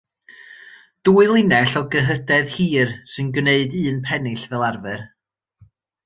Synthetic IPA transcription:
d̥uːɨlˠɪnɛɬɔɡəɦədɛðhiːrsɨnɡneɨdɨːnpʰɛnɪɬvɛlˠarvɛr

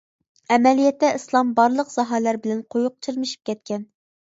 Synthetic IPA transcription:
ɛmɛlijɛt̪ːɛɨslˠɑmbɑɾlˠəqz̥ɑɦɑlæɾbɪlɛnqʰojʊq̚t͡ʃʰiɾmɪʃi̥p̚kʲʰɛt̪̚kʲʰɛn

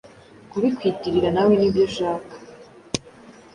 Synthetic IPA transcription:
kuβikwitiɾiɾanawenibjo̞ʃaːkḁ

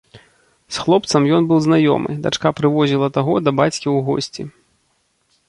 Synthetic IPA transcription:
sxlˠɔp̚t̪sɐmjɔnbɨwznajɔ̰mɨ̰d̪a̰t͡ʂkapɾɨvɔzʲilˠɐt̪aɣɔd̪ɐbat͡sʲkʲiwɣɔ̰sʲt͡sʲḭ

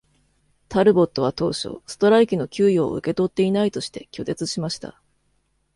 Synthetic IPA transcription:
t̪aɾɯ̟bo̞t̪ːo̞βat̪o̞ːɕo̞̰ːsɨ̥t̪o̞ɾaikʲino̞kʲɨːjo̞ːɯ̟̰ke̞t̪o̞t̪ːe̞inait̪o̞ɕi̥t̪e̞kʲo̞t̪e̞t͡sɨɕimaɕi̥t̪a̰

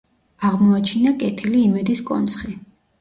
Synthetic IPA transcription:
aʁmɔat͡ʃʰinakʼɛt̪ʰiliːmɛd̪iskʼɔ̰nt̪sʰχi

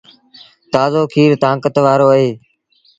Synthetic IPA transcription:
t̪aːzoːkʰiːɾt̪ãːkət̪ʋaːɾoːəɦeː

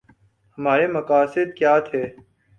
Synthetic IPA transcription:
həmaːɾeːməkaːsɪd̪̚kjaːt̪ʰeː

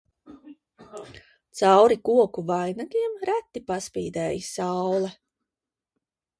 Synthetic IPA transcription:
t̪sawɾikuɔkuvajnaɡiɛmɾæt̪ːipaspiːd̪ɛːjisawlˠɛ

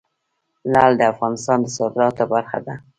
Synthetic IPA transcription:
lald̪əafɣɑnɪst̪ɑnd̪əsɑd̪ɪɾɑt̪obaɾxa̰d̪a

